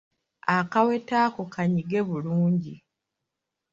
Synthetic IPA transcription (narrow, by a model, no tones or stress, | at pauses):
akawe̞taːko̞kʰaɲiɡe̞βuluːɲɟi